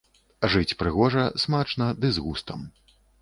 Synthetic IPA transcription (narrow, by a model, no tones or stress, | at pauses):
ʐɨt͡sʲpɾɨɣɔʐɐsmat͡ʂnɐd̪ɨzɣust̪ɐm